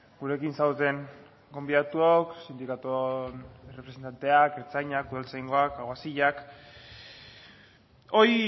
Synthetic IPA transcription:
ɡuɾe̞kinsawt̪e̞ŋ | ɡo̞mbiðat̪uoksind̪ikat̪onerepɾesent̪ant̪e̞akeɾt͡sajɲakuðalt͡sajŋɡo̞akaɣasiʎak | o̞j

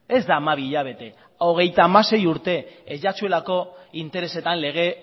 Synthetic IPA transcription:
e̞zd̪aːmaβ̞iʎaβ̞e̞t̪e̞ | o̞ɣ̞e̞jt̪aːmase̞juɾt̪e̞ːʝat͡ʃue̞lako̞int̪e̞ɾe̞se̞t̪anle̞ɣ̞e̞

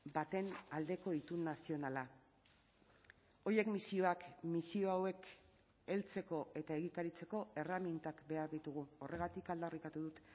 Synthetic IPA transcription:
bat̪e̞nald̪e̞ko̞it̪unːasio̞nala | o̞jekmisio̞akmisio̞awe̞k | e̞lt͡se̞ko̞ʔe̞t̪aeɣikaɾit͡se̞ko̞e̞ramint̪akbe̞aɾðit̪uɣ̞uo̞rʔe̞ɣ̞at̪ikald̪arikat̪uðut̪

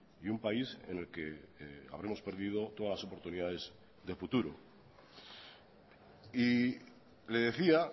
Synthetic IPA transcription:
iumpaisḛne̞lke̞a̰β̞ɾemospe̞ɾðið̞o̞t̪oðalaso̞po̞ɾt̪uniðaðe̞z | ðe̞fut̪uɾo̰ | i | le̞ðe̞θia

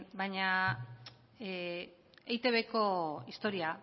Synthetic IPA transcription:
bajɲa | ejt̪e̞βeko̞ist̪o̞ɾia

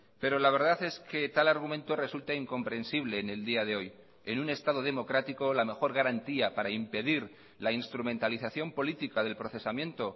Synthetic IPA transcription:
pe̞ɾo̞laβ̞e̞ɾðaθe̞ske̞t̪alaɾɣ̞umẽnt̪o̞re̞sult̪aiŋko̞mpɾe̞nsiβ̞le̞ːne̞ld̪iaðe̞o̞j | e̞nũne̞st̪að̞o̞ðe̞mo̞kɾat̪iko̞lame̞xo̞ɾɣaɾant̪iapaɾaimpe̞ðiɾ | lainst̪ɾumẽ̞nt̪aliθaθjo̞mpo̞lit̪ikaðe̞lpɾo̞θe̞samjẽ̞nt̪o̞

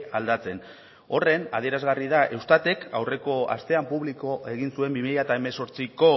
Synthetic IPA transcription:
ald̪at͡se̞n | o̞re̞na̰ðie̞ɾazɣarið̞aʔe̞wst̪at̪e̞kʰa̰wre̞ko̞a̰st̪e̞ampuβliko̞ʔe̞ɣ̞insue̞mbimiʎaet̪aeme̞so̞ɾt͡siko̞

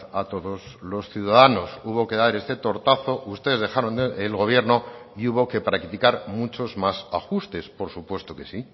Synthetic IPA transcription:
at̪o̞ðo̞zlo̞sθjuðaðano̞suβ̞o̞ke̞ðaɾe̞st̪e̞t̪o̞ɾt̪aθo̞ʔust̪e̞ðe̞zðe̞xaɾo̞nd̪eelɣo̞β̞je̞ɾno̞iuβo̞ke̞pɾakt̪ikaɾmut͡ʃo̞zmasaxust̪e̞spo̞ɾsupwe̞st̪o̞ke̞si

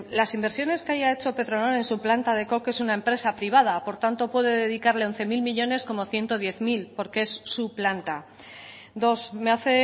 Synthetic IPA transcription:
lasimbeɾsjo̞ne̞skeaʝae̞t͡ʃo̞pe̞t̪ɾo̞noɾe̞nsuplant̪að̞e̞ko̞ke̞sunae̞mpɾe̞sapɾiβ̞að̞apo̞ɾt̪ant̪o̞pwe̞ðe̞ðeðikaɾle̞o̞nθe̞milmiʎo̞ne̞sko̞mo̞θje̞nt̪o̞ð̞je̞θmilpo̞ɾkeesːuplant̪a | d̪o̞sme̞aθe̞

